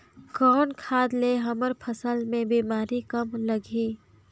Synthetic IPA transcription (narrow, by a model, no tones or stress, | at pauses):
kɔːnkʰaːd̪leɦɐməɾpʰəsəlmẽbiːmaːɾikəmləɡiː